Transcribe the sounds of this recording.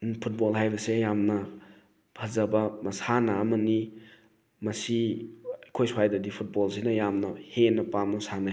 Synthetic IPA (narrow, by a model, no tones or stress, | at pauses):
pʰut̚bolɦajbɐsejamnɐ | pʰɐzɐbɐmɐsanɐːmɐni | mɐsiɐjkʰojswajdɐdipʰut̚bolsinɐjamnɐhenɐpamnɐsanɐ